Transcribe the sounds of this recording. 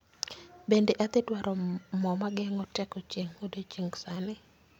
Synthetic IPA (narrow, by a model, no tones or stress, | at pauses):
bendeʔat̪ɪtwaɾɔmɔmaɡɛŋɔtɛkɔt͡ʃeŋodot͡ʃeŋsanɪ